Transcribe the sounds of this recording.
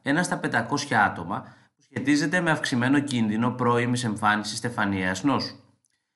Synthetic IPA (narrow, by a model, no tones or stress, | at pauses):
e̞nɐst̪ɐpe̞nd̪ɐko̞sçɐɐt̪o̞mɐ | pu̥sçe̞t̪ize̞t̪e̞me̞ɐfksime̞no̞cinðino̞pɾo̞imise̞ɱfɐnisist̪efɐniɐznos